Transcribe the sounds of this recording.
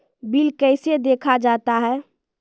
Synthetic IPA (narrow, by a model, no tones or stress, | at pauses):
bilkɛɪsed̪ekʰad͡ʒat̪aɦɛː